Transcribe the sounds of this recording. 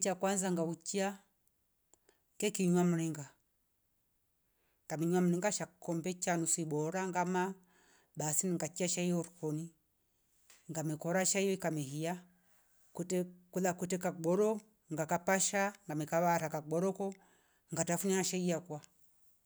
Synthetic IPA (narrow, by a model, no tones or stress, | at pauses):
t͡ʃakwanzaŋɡaut͡ʃia | kɛkiɲwam̩ɾiŋɡa | ŋkamiɲwam̩ɾiŋɡaʃakɔmbɛt͡ʃanusibɔɾaŋɡama | ɓasiniŋɡat͡ʃiaʃaijɔɾukɔni | ŋɡamɛkɔɾaʃaijɔikamɛhija | kutɛkulakutɛkakɡ͡bɔɾɔ | ŋɡakapaʃaŋɡamɛkaβaɾakaɓɔɾɔkɔ | ŋɡatafunihaʃaijakwa